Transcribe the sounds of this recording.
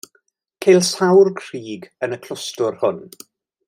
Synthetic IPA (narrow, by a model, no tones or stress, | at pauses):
kʰejlˠsawrkʰr̥iːɡənəkʰl̥ʊstʊrhʊn